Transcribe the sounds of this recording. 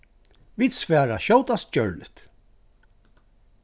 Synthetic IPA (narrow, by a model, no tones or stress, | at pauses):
viːd̪svɛːɹaʃowt̪ast̪̚d͡ʒœɹlɪ̰ht̪